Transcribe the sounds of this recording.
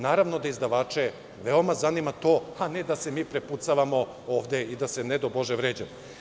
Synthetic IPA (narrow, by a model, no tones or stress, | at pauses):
naːɾaʋno̞d̪aizd̪aʋaːt͡ʂe̞ | ʋeo̞mazanimat̪o̞ːaned̪ase̞miːpɾeput̪saʋamo̞ | oːʋd̪eid̪asened̪obo̞ʒeʋɾeːd͡ʑemo